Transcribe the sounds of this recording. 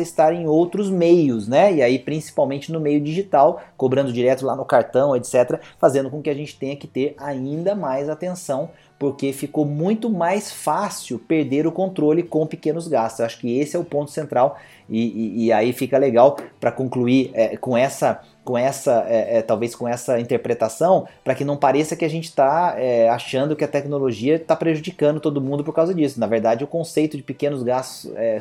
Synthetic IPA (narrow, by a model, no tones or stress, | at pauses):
ɪst̪aɾẽj̃owt̪ɾʊzmejʊznɛɪaipɾĩsi̥pawmẽnt͡ʃɪnʊmejʊd͡ʒiʒit̪awkobɾɐ̃nd̪ʊd͡ʒiɾɛt̪ʊlanʊkaɾt̪ɐ̃w̃et̪sɛt̪ɾɐfazẽnd̪ʊkõkɪaʒẽnt͡ʃɪ̥t̪ẽɲɐkɪ̥t̪eɾaĩnd̪ɐmajzat̪ẽsɐ̃w̃ | poɾkefikomũj̃t̪ʊmajsfasɪwpeɾd̪eɾʊkõnt̪ɾolɪkõw̃pɪkẽnʊzɡast̪ʊzaʃʊ̥kɪesɪɛʊpõt̪ʊ̥sẽnt̪ɾaw | ɪːaifikɐleɡawpɾɐkõkluiɛkõɛsɐ | kõɛsɐɛɛt̪awveskõɛsɐĩnt̪eɾpɾet̪asɐ̃w̃pɾɐkɪnɐ̃w̃paɾesɐkɪaʒẽnt͡ʃɪ̥t̪aɛaʃɐ̃nd̪ʊkɪɐt̪ɛknoloʒiɐt̪apɾeʒud͡ʒikɐ̃nd̪ʊt̪od̪ʊmũd̪ʊp̬oɾkawzɐd͡ʒisʊnɐveɾd̪ad͡ʒɪɛʊkõsejt̪ʊd͡ʒɪpikẽnʊzɡast̪ʊ̥sɛ